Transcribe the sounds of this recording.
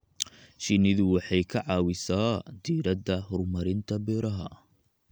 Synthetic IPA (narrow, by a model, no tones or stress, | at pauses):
ʃɪnɪðʊwɑħɑjkʰɐʕɑːwɪsaːd̪iːɾɐd̪ɐɦɔrmɐɾɪnt̪ʰɐbɛːɾɐɦɐ̰